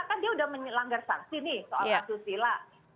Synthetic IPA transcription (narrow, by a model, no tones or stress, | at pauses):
akandiaudahməɲlaŋɡarsa̰ksinɪhsoalasusila